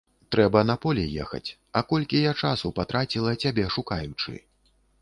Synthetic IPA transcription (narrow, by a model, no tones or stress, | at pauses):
t̪ɾɛbɐnɐpɔlʲɛjɛ̰xɐ̰t͡sʲ | ɐkɔlʲkʲijat͡ʂasupat̪ɾat͡sʲilˠɐt͡sʲabʲɛʂukajut͡ʂɨ̰